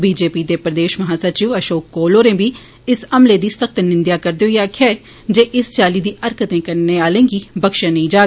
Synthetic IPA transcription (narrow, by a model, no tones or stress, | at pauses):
biːd͡ʒeːpiːd̪eːpɾəd̪eːʃməɦaːsəɾt͡ʃiːʋəʃoːkːoːloːɾẽːbiː | ɪsəmleːd̪iːsək̚t̪nɪnd̪jaːkəɾd̪ejoːjaːkʰɛː | d͡ʒeːʔɪst͡ʃaːliːd̪iːʔəɾkət̪ẽːkəɾneːaːlẽːɡiːbəkʃãːnəĩːd͡ʒaː